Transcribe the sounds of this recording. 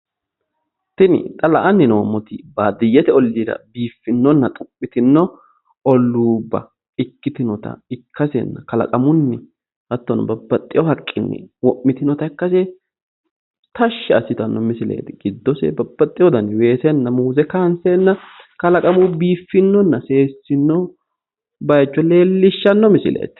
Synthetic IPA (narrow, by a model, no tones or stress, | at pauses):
t̪ɪnɪ̰t̪ʼɐlɐʔɐnːɪnoːmɔt̪ɪbaːd̪ɪjːɛt̪ɛɔlːiːɾɐ̰biːfːɪnːɔnːɐt̪ʼʊpʼːɪt̪ɪnːɔ | ɔlːuːbːɐ̰ | ɪkːɪt̪ɪnɔt̪ɐ̰ɪkːɐsɛ̰nːɐkɐlɐ̰kʼɐmʊnːɛ | hɐt̪ːɔnbɐbːɐt̪ʼːɪjɔhɐkʼːɪnːɛ̰wɔʔːɪt̪ɪnɔt̪ɐɪkːɐse | t̪ɐʃːɛɐsːɪt̪ɐnːɔmɪsɪlḛːt̪ɪɡ̥ɪd̪ːɔsɛ̰bɐbːɐt̪ʼːɪjɔd̪ɐnwe̞ːsɛnːɐmuːzɛkɐnsɛnːɐ | kɐlɐkʼɐmʊbiːfːɪnːɔnːɐseːsːɪnːɔ | bɐjɛt͡ʃːɔle̞ːlːɪʃːɐnːɔmɪsɪ̰lḛːt̪ɪ̥